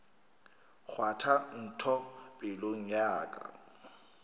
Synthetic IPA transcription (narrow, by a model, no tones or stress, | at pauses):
k͡xʰwatʰan̩tʰɔpʼɪloŋ̩ɲaːkʼa̰